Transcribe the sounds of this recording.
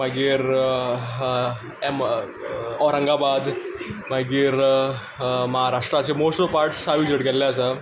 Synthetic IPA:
maɡiːɾ | m | ɔɾə̃ŋɡabad̪maɡiːɾ | məɦaɾaʂʈɾasemosʈopaɾʈsːaʋid͡ʑəʈkɛllaəsa

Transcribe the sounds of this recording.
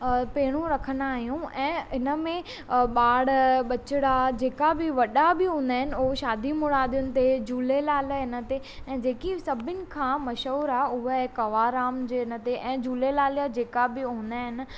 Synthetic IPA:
peːɽ̃ũɾɐkʰənd̪aːɦijũɛ̃ːɪnəmẽ | ɓaːɽɓɐt͡ɕɪɽad͡ʑeːkabɪʋɐɗabɪɦũːnd̪aːɦɪnɪ̆ʊɦʃaːd̪ʱimʊɽaːd̪ijʊnɪ̆t̪ed͡ʑuːlelaːlɪnə̆t̪e | ɛ̃ːd͡ʑeːkisɐbʱɪnɪ̆kʰãːmɐʃəːɾaʊɦəkɐʋaɾaːmd͡ʑeːɪnə̆t̪eʔɛ̃ːd͡ʑuːlelaːlijad͡ʑeːkabɪɦũːn̆d̪aːɦɪnɪ̆

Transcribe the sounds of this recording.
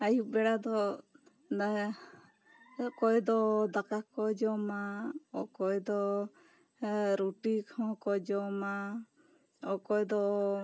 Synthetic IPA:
ajubɛɽad̪ɔ | na | kɔjd̪ɔd̪akakɔd͡ʒɔmaɔkɔjd̪ɔ | ɾuʈikʰɔ̃kɔd͡ʒɔma | ɔkɔjd̪ɔ

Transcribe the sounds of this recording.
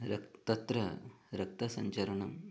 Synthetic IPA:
ɾɐt̪ɐt̪ɾɐɾɐk̚t̪ɐsɐɲt͡ʃɐɾɐɳɐm

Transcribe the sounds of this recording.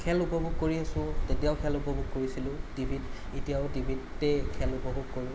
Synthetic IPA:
kʰɛlupɔbʱuɡkoɹiasʊ̃tetijaʊkʰɛlupɔbʱuɡ̚koɹisilʊ̃tibʱit | etijaʊtibʱitːɛkʰɛlupɔbʱuɡ̚koɹi

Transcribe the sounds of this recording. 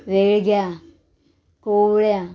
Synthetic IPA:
ʋeɭɡja | koɭja

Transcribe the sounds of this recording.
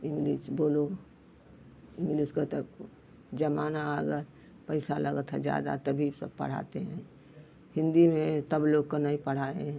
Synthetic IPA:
ɪ̃ŋɡliːsboːlo | ɪ̃ŋɡliːskat̪ək | d͡ʒɐmaːnaəɡəɾ | pəɪsaləɡət̪ɦɛ̰̃d͡ʒja̰ːd̪a̰t̪ɐbʱisə̰b̚pə̰ɽ̤a̰ːt̪eɦɛ̃ː | hɪ̃nd̪imẽt̪ɐbloːɡkonaɦĩpəɽ̤aːḛɦɛ̃

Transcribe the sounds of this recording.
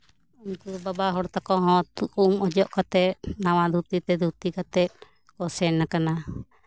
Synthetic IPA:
umkubabaɦɔɽt̪akɔɦɔ̃t̪umɔd͡ʒɔʔkat̪ɛt̪̚nawad̪ʱut̪it̪ɛd̪ut̪ikat̪ɛt̪̚ | kɔsɛnːakana

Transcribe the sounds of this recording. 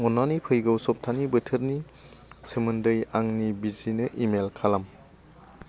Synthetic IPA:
ŋɔnanipʰɯjɡɯwsɔp̚tʰanibɯtʰɯɾni | sɯmɯndɯjaŋnibizinɯʔimelkʰalam

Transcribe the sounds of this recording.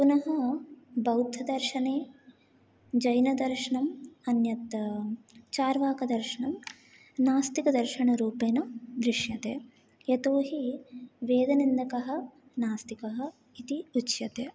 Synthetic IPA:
punɐɦɐbɐwd̪ʱɐd̪ɐɾʃɐneː | d͡ʒɐjnɐd̪ɐɾʃɐɳɐmɐnjɐt̪ | t͡ʃaːɾʋaːkɐd̪ɐɾʃɐɳɐm | naːst̪ikɐd̪ɐɾʃɐɳɐɾuːpeːnɐd̪ɾiʂjɐt̪eː | jɐt̪oːɦiʋeːd̪ɐnind̪ɐkɐɦɐ̆ | naːst̪ikɐɦɐ̆ | it̪iut͡ʃjɐt̪eː

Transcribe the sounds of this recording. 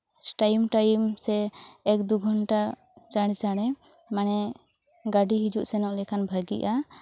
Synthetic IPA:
ʈajmʈajmsɛːk̚d̪uɡʱɔnʈa | t͡ʃaɽ̃t͡ʃaɽ̃ɛ | manɛ | ɡaɖiɦid͡ʒuʔsɛnɔʔlɛkʰanbʱaɡiʔa

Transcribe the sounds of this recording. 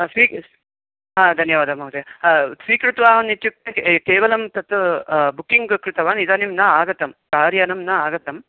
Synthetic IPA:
sʋiː | ɦãːd̪ʱɐnjɐʋaːd̪ʱɐmɐwt̪esʋiːkɾut̪ʋaːɐnit̪juk̚t̪ekeːʋɐlɐmt̪ɐt̪bukːiŋɡkɾut̪ɐʋaːnid̪ɐnimnɐaːɡɐt̪ɐmkaːɾjɐnɐmnɐaːɡɐt̪ɐm

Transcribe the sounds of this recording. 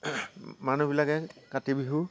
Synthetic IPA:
manubilakɛkatibiɦu

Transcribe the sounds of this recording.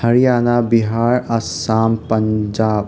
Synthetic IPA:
hɐɾijaːnabiɦaːɾɐsaːmpɐɲd͡ʒaːb̚

